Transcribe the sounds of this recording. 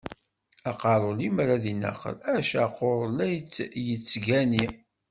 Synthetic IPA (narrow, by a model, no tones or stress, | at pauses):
æqɑɾˤolimɾaðinæ̰qːə̰læʃæqoɾˤlæjt͡sːjət͡sːɡæni